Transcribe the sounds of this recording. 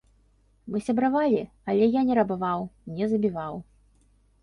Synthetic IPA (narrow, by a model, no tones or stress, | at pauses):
mɨsʲɐbɾavalʲi | ɐlʲɛjanʲɛɾɐbavawnʲɛzɐbʲivaw